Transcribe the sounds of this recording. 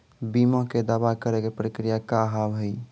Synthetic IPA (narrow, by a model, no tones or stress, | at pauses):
bimə̃ked̪abakəɾekepɾəkɾijakaɦabɦəj